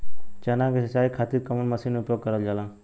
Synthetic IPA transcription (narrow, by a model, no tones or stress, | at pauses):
t͡ʃɐnãːkesɐt͡ʃaːikʰat̪iɾ̚kɐməlmɐsinmeʊpjoːɡ̚kəɾəld͡ʒalãː